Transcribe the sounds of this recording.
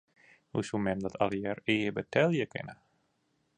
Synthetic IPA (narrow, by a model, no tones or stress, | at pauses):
hṵsumɛmdɔtʰa̰lˠjɛɾeːbətʰɛlˠjəkɪ̰nə